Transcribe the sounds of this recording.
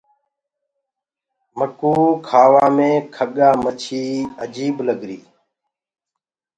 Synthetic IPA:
məkuːkʰaːʋaːmẽːkʰəɠaːmət͡ʃʰiːəd͡ʒiːbləɡɾiː

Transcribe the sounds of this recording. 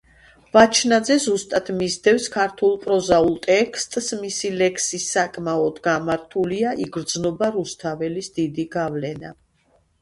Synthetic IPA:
vat͡ʃʰnad̪zɛzust̪ʼat̪ʰmizd̪ɛfskʰaɾt̪ʰulˠpʼɾɔzaulˠt̪ʼɛkʰst̪ʼsmisilɛkʰsisːakʼmaɔd̪ɡamaɾt̪ʰuliaʔiɡɾd̪znɔbaɾust̪ʰavɛlisd̪id̪iɡavlɛna̰

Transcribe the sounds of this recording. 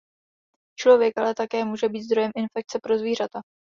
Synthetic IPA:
t͡ʃlo̞vjɛkʔalɛt̪akɛːmuːʒɛbiːt̪zd̪ɾo̞jɛmʔɪnfɛk̚t͡sɛpɾo̞zviːr̝at̪a

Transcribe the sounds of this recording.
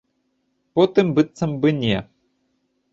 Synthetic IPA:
pot̪ɨmbɨt̪sɐmbɨnʲɛ

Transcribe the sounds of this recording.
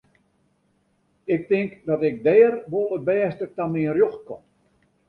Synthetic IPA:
ɪk̚tɪŋkdɔtɪk̚dɛːrʋolˠət̚bɛːstətamiərjoxt̚ko̰m

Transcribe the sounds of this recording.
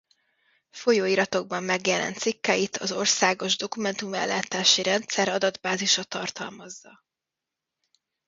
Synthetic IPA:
fo̞joːiɾɒt̪o̞ɡ̚bɒmːɛɡjɛlɛ̰nt̪sikːɛjit̪ʰɒzo̞rsaːɡo̞ʒd̪o̞kumɛnt̪umɛ̰lːaːt̪aːʃiɾɛnt̪sɛɾɒd̪ɒd̪baːziʃɒt̪ɒrt̪ɒ̰lmɒzːɒ

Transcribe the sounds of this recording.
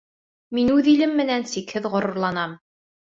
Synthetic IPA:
minʉðilɘmːɘ̆nænsikhɘðʁŏɾŏɾlˠɑnɑm

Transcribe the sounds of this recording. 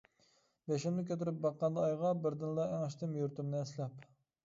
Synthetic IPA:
bɛʃɪmnɪkʲøt̪ɪɾɪp̚bɑqːɑnd̪ɑɑjʁɑbɪɾd̪ɪnlˠɑæŋɑʃt̪ɪmjuɾt̪umnɨɛslɛp

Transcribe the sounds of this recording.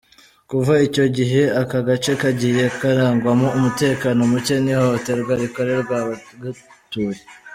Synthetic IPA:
kuvaico̞ɟiɦe̞akaɡat͡ʃe̞kaɟije̞kaɾaːŋɡwamoumute̞ːkaːno̞muce̞nihoote̞ɾɡwaɾiko̞ɾe̞ɾɡwaɡatuje

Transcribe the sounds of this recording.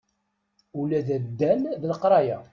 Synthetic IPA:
ulæðæd̪ːænðləqɾˤɑjæ

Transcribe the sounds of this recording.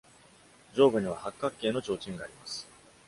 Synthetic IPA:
d͡ʑo̞ːbɯ̟ɲ̟iβ̞ahakːakːe̞ːno̞t͡ɕo̞ːt͡ɕĩŋɡaːɾʲimasɨ̥

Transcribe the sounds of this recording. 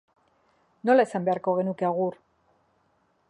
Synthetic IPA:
no̞lae̞sambe̞aɾko̞ɣ̞e̞nukeaɣ̞ur

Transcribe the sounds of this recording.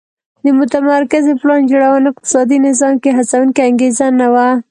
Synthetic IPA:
d̪əmʊt̪amaɾkɪzeplɑnd͡ʒoɽawɑnɪq̚t̪ɪ̥sɑd̪inɪzɑmkeɦat͡sawuŋkeaŋɡezanawa

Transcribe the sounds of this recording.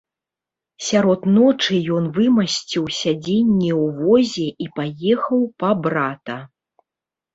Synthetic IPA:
sʲaɾɔt̪nɔt͡ʂɨjɔnvɨmɐsʲt͡sʲiwsʲad͡zʲenʲːɛwvɔzʲɛʔipajɛxɐwpɐbɾat̪ɐ

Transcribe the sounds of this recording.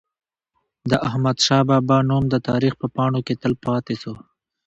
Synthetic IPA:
d̪əʔahmad̪ʃɑbɑbɑnumd̪ət̪ɑɾixpəpɑɳoket̪əlpɑt̪eso

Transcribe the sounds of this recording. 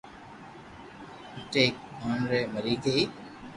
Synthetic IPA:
ɪʈeːk̚aːɳɾeːməɾiːɡəiː

